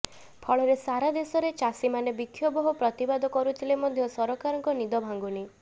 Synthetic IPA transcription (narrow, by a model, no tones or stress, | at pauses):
pʰɔɭɔɾesaɾad̪esɔɾet͡ʃasimanebikʰːjɔbɔɦɔpɾɔt̪ibad̪ɔkɔɾut̪ʰilemɔd̪ʱjɔsɔɾɔkaɾɔŋkɔnid̪ɔbʱaŋɡuni